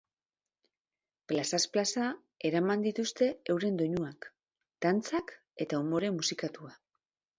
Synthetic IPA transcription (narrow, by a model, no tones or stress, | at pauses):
plasasplasa | e̞ɾamand̪it̪ust̪e̞ewɾe̞nd̪o̞ɲuak | d̪̥ant͡sak | e̞t̪aumo̞ɾe̞musikat̪ua